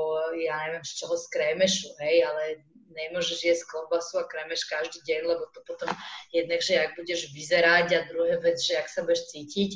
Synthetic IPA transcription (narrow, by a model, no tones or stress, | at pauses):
jaɲɛʋɛmʃt͡ʃɔɦɔskɾɛmɛʃuɦɛjalɛ | ɲɛmʊɔʒɛʒjɛskɔbasuakɾɛmɛʃkaʒd̪iːɟɛɲlɛbɔt̪ɔpɔt̪ɔmjɛd̪naɡʒɛaɡ̚buɟɛʒʋizɛɾaɟad̪ɾuɦɛːʋɛd͡zʒɛaksabujɛʃt͡siːcic